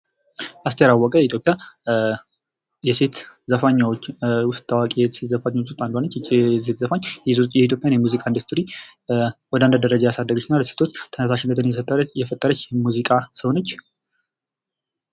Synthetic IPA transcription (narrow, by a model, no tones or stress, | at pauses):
ʔast̪ʰəjɾawːɔkʼəjɛit̪jopʼːja | jɛse̞t̪zəfaɲːawot͡ʃːwʊst̪t̪ʰʼːawakʼj̪set̪zəfaɲaot͡ʃːust̪ʼand̪ohonːət͡ʃːset̪zəfaɲːjjɛit̪ʰjo̞pʼjanjɛmuzikʼaind̪ust̪ʰɾi | wɔd̪and̪əd̪əɾəd͡ʒajasad̪ːəɡət͡ʃ̪ːʰənalse̞t̪ʰo̞t͡ʃːt̪ʰənəsaʃɪnːət̪ʰɨnjɛfət̪ʼːəɾəjɛfət̪ʼːəɾət͡ʃːjɛmuzikʼasəwnət͡ʃː